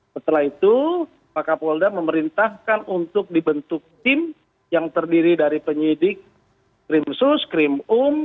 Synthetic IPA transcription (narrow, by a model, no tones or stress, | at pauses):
sət̪əlahit̪u | pakapoldaməməɾint̪ahkanunt̪ʊk̚dibənt̪ʊk̚t̪ɪm | jaŋt̪ərdiɾidaɾipəɲidɪk̚ː | ɾɪmsʊskɾɪmʊm